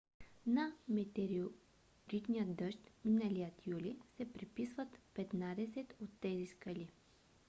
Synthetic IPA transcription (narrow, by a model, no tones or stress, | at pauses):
nɐmɛt̪ɛɾio | ɾit̪nijəd̪ɤʃt̪minalijət̪julisɛpɾipisvət̪pɛt̪nad̪ɛsɛt̪ot̪ːɛziskəli